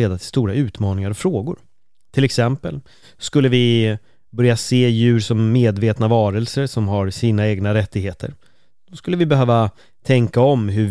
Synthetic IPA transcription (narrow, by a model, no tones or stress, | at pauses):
eːd̪at̪ʰɪlst̪uːɾaʉ̟ːt̪mɑːnɪŋaɾɔfɾoːɡʊɾ | t̪ʰɪlɛksɛmpəl | skɵlːəvɪ | bœɾjaseːjʉ̟ːɾʂɔmːeːd̪veːt̪navɑːɾɛlsəɾʂɔmɦaɾsiːnaeːɡnaɾɛt̪ːɪɡheːt̪ʰə̰ɾ | d̪̥ɔskɵlːəvɪbɛɦøːva | t̪ʰɛŋkaɔmɦɵ